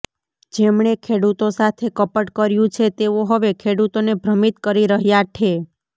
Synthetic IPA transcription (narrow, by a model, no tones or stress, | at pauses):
d͡ʒemɳekʰeɽut̪osat̪ʰekəpəʈkəɾjũt͡ʃʰet̪eoɦəʋekʰeɽut̪onebʱɾəmit̪kəɾiɾəɦjat͡ʃʰe